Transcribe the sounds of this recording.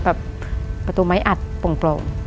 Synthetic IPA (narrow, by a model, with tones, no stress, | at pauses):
bɛː˨˩p̚ː | a˧t̪uː˧˩ma˨˦jʔa˨˩t̪̚po˨˧˩ŋploː˨˩ŋ